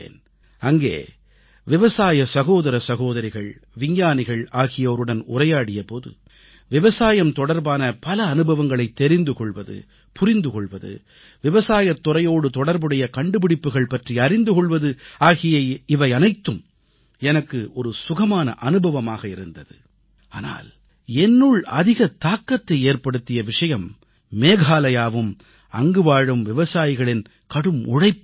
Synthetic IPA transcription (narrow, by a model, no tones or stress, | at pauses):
ḛːn | ʔɐŋɡḛː | ʋɪʋɐsaːjɐsɐɣoːðɐɾɐsɐɣoːðɐɾɪɣɐɭʋɪɲjaːnɪɣɐɭaːɣɪjɐɔɾɯɽɐnʊ̰rɐjaːɽɪjɐpoːðɯ̰ | ʋɪʋɐsaːjɐmt̪ɔɽɐɾbaːnɐpɐlɐːnɯbɐʋɐŋɡɐɭɐɪt̪ːɛɾɪnd̪ɯkɔɭʋɐðɯ̰ | pʊrɪnd̪ɯkɔɭʋɐðɯ̰ | ʋɪʋɐsaːjɐt̪ːʊrɐjoːɽɯt̪ɔɽɐɾbɯɽɐjɐkɐɳɖɯpɪɽɪpːɯɣɐɭpɐʈriɐɾɪnd̪ɯkɔɭʋɐðɯaːɣɪjɐɪʋɐɪɐnɐɪt̪ːɯm | ɛnɐkːɯʔɔɾɯsʊɣɐmaːnɐ̰ʔɐnɯbɐʋɐmaːɣɐɪɾɯnd̪ɐðɯ̰ | aːna̰ːl | ɛnːɯɭɐðɪɣɐt̪aːkːɐt̪ːɐɪeːɾpɐɽɯt̪ːɪjɐʋɪʂɐjɐmː | eːɣaːlɐjaːʋɯm | ɐŋɡɯʋaːɻɯmʋɪʋɐsaːjɪɣɐɭɪn | kɐɽɯmʊ̰ɻɐɪpː